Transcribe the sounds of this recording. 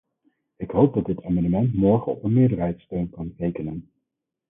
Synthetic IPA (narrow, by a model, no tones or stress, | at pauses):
ɪkɦowb̚dɑdɪtaːmɑndəmɛntmɔɹχəɔ̰pənmɪːdəɹɦɛjtstøɥnkɑnrejkənən